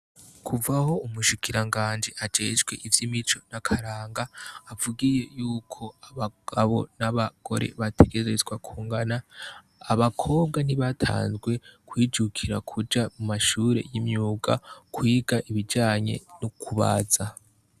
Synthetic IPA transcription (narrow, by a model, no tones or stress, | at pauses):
kʰuvaho̞umuʃikʰiɾaŋɡaːnd͡ʒeʔad͡ʒe̞ːʒɡwe̞̰ʔivjimit͡ʃo̞nakʰaɾaːŋɡaːvuɡije̞juːkʰo̞aβaɡaβo̞̰naβaɡ̥o̞̰ɾe̞̰βatʰeɡe̞zezwakʰuːŋɡanaː | βakʰo̞ːβ̚ɡaniβatʰa̰ːnzɡwe̞kwiːd͡ʒukʰiɾa̰kʰud͡ʒamumaʃuːɾe̞̰jimɲuːɡa̰kwiːɡaʔiβid͡ʒaːɲe̞̰nukʰuβa̰za